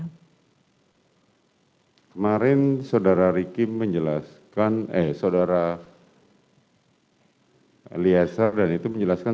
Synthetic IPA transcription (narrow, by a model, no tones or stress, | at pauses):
kəmaɾɪnsawdaɾaɾikɪmːəɲd͡ʒəlaskanɛsawdaɾa | liasardanit̪uməɲd͡ʒəlaska